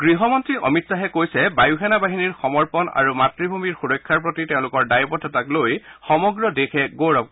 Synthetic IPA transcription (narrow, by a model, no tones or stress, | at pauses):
ɡ̥ɹiɦɔmɔntɹiʔɔ̰mitsaɦɛkojsɛbajuxɛnabaɦiniɹxɔmɔɹpɔna̰ɹumatɹibʱumiɹxuɹɔkʰːaɹp̬ɹotitɛʊ̃lʊkɔɹdajbɔtʰɔtaklojxɔmɔɡɹɔdexʰɛɡoɹɔp̚